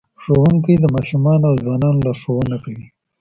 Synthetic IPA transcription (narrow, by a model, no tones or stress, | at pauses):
ʂowuŋkid̪əmɑːʃumɑnawzwɑːnɑnolaʂowunakawi